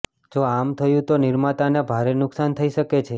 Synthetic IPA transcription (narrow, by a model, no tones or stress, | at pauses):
d͡ʒoamt̪ʰəjũt̪onɪɾmat̪anebʱaɾenʊksant̪ʰəiʃəket͡ʃʰe